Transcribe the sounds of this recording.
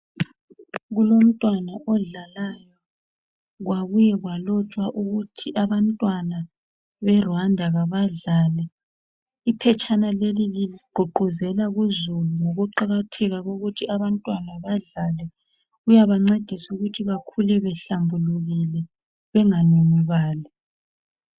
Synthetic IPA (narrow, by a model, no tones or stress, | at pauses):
ɣulom̩tʼwanaʔɔɮalajɔ | ɣwaβujɛɣwalɔt͡ʃʼwaʔuɣutʰiʔaβantʼwana | βɛrwandʱaɣaβaɮaːlɛ | ipʰɛt͡ʃʼanalelililiɡ͡ǃʱuɡ͡ǃʱuzɛlaɣuzuluŋoɣuǃaɣatʰɛɣaɣoɣutʰiaβantʼwanaβaɮalɛ | ɣujaβaŋ͡ǀed̥ʱisuɣutʰiβakʰulɛβɛɬambʱuluɣilɛ | βɛŋanemiβaːlɛ